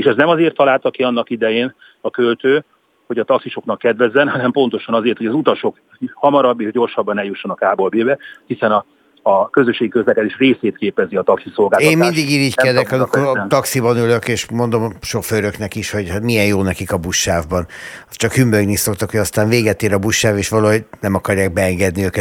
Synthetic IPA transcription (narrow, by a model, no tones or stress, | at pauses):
eːʃɛznɛmɒzeːrt̪ʰːɒlaːlt̪ɒkiɒnːɒkid̪ɛjeːn | ɒkølt̪øː | ho̞ɟɒt̪ɒksiʃo̞knɒkːɛd̪vɛzːɛnɦɒnɛmpo̞nt̪o̞ʃɒnɒzeːrt̪hoɒzut̪ɒʃo̞k | hɒmɒɾɒbːeːʒɟo̞rʃɒbːɒnɛljuʃːonɒkaːbo̞lbeːbɛhisɛnɒː | kø̞zøʃːeːɡikøzlɛkɛd̪eːʃreːseːt̪keːpɛziɒt̪ɒksiso̞lɡaːleːmmmind̪iɡiːɾiːɟkɛd̪ɛkɒmikoɾt̪ɒksibɒnyløkeːʃmo̞nd̪o̞mʃo̞føɾøknɛkiʃho̞ɟhamijɛnjoːnɛkikɒbuʃːaːvbɒnɒt͡ʃɒkhymbøɡniso̞kt̪ɒkhoɟɒst̪aːnveːɡɛt̪eːɾɒbuʃːaːveːʃʋɒloːɦoɟnɛmɒkɒrjaːɡ̚bɛɛŋɡɛd̪niøːkɛt̪